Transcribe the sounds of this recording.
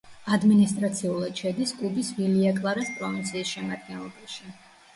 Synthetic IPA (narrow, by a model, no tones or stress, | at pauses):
ad̪minist̪ʼɾat̪sʰiulˠad̪̥ʃad̪iskʼlˠubisviliakʼlˠaɾaspʼɾɔvint̪sʰiːsʃɛmad̪̚ɡɛnlˠɔbaʃi